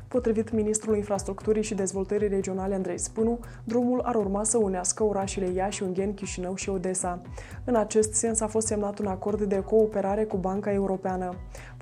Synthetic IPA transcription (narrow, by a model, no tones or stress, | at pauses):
po̞t̪ɾivit̪minist̪ɾulinfɾast̪ɾukt̪uɾijʃid̪e̞zvo̞lt̪əɾijre̞d͡ʒio̞naleand̪ɾe̞jspɨnu | d̪ɾumulaɾurmasəuneaskəoɾaʃile̞jaʃunŋɡʲenkʲiʃinəwʃio̞d̪e̞sa | ɨnat͡ʃe̞st̪se̞nsafost̪semnat̪unako̞rd̪ːe̞ko̞ːpe̞ɾaɾe̞kubaŋkae̞uɾo̞peanə